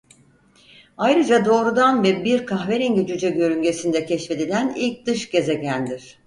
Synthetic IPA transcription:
ajɾɯd͡ʒad̪o̞ːɾud̪anvɛbiɾkʰaxveɾiɲɟed͡ʒyd͡ʒɛɟø̞ɾyɲɟe̞sind̪ɛcʰɛʃfe̞d̪ilʲænilʲc̚d̪̥ɯʃɟe̞zeɟænd̪iɾ̥

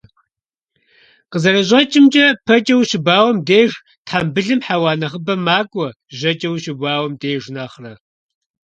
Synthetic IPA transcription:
qəzɐɾɐʑʼɐt͡ʃʼɪmt͡ʃʼɐpʰɐt͡ʃʼɐwɕɪbaːwɐmdeːʐ | tʰħambɨɮɨmħaːwaːnɐʁəbɐmaːkʷʼɔ | ʑɐt͡ʃʼɐwɕɪbaːwɐmdeːʐnaχrɐ

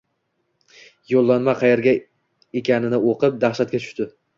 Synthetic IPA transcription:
jolˠːanmaqʰɑjeɾɡʲa | ekʲanɪnɪoqɨp̚d̪aχʃat̪̚kʲat̪ʰʊ̥ʃt̪ɪ

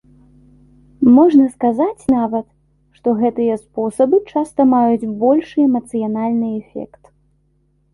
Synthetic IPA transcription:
mɔʐnɐskazat͡sʲnavɐt̪ | ʂt̪ɔɣɛt̪ɨjɐspɔsɐbɨt͡ʂast̪ɐmajud͡zʲbɔlʲʂɨɛmɐt̪sɨjanalʲnɨɛfʲɛ̰kt̪

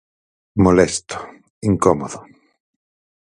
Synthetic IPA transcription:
molɛst̪o̥ | iŋkɔmoðo

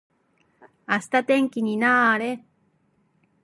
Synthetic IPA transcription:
asɨ̥t̪at̪ẽŋkʲiɲ̟inaːaɾe

